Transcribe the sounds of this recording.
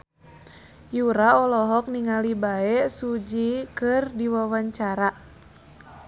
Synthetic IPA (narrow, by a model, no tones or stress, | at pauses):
juɾaɔlɔɦɔk̚niŋalibaɛsud͡ʒikɨrdiwawaɲt͡ʃaɾa